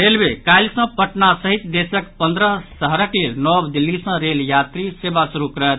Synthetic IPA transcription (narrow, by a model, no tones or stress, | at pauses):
ɾelbekajlsə̃pəʈnasəɦit̪d̪esəkpənd̪ɾəɦsəɦɾəklelnɔbd̪ilːisə̃ɾeljat̪ɾisebasuɾukɾəɦɛt̪